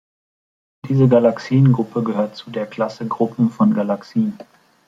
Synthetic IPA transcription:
d̥iːzəɡalaksiːənɡʁʊpʰəɡəhøːɐtt͡sudeːɐkʰl̥asəɡʁʊpm̩fɔnɡalaksiːən

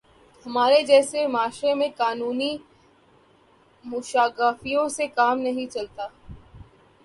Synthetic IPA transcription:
hɐmaːɾed͡ʒɛːsemaːʃɾemẽkaːnuːni | mʊʃaːɡaːfijõsekaːmnɐɦĩt͡ʃɐlt̪aː

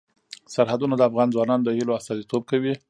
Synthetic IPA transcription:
saɾhad̪unad̪əafɣɑnzwɑnɑnd̪əhiloast̪ɑzit̪ob̚kawi

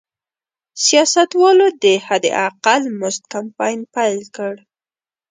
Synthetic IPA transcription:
sijɑsat̪wɑlod̪əhad̪ḛʔaqalmʊst̪̚kampɑjnpajlkəɽ

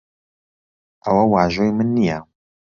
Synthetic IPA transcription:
ʔɐwɐwaːʒoːjmɨnːijɛ

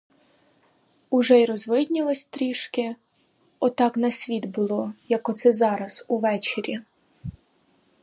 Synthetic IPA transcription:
uʒɛjɾɔzʋɪd̪ʲnʲilˠɔsʲt̪ɾʲiʃkɪ | ɔt̪ɑknɐsʲʋʲid̪bʊlˠɔjɐkɔt̪sɛzɑɾɐz̥uʋɛt͡ʃeɾʲi

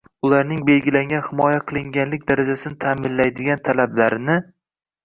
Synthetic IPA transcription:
ʊlaɾnɪŋbe̞lɡʲɪlaŋɡʲanhɪmɒjaqʰɨlˠɪŋɡʲanlɪk̚ʲd̪aɾad͡ʒasɪnɪt̪ʰamɪlːajd̪ɪɡʲant̪ʰalablaɾɪnɪ

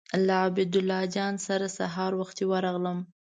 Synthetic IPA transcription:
laabɪd̪ʊlːɑd͡ʒɑnsaɾasaɦɑɾwaxt̪jewəɾɑɣləm

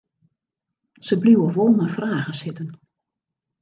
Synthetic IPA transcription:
səbliwəʋolˠmafraːɣəsɪtən

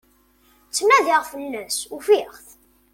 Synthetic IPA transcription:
t͡sːmæðiʁfənːəsufiʁθ

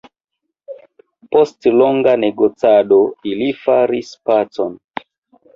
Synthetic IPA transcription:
po̞stloŋɡaneɡot͡sado̞ilifaɾispat͡so̞n

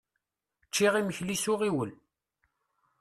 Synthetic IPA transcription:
t͡ʃːiʁiməçlisʊʁiwəl

